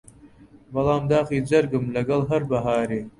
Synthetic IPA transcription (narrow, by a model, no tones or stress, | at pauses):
bɐlˠɑːmd̪aːxiːzɐɾɡɨmlɐɡɐlɦɐɾbɐɦaːɾeː